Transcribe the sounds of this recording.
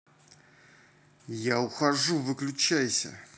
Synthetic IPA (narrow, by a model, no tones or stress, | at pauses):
jaʊxɐʐuvɨklʲʉt͡ɕæjsʲə̰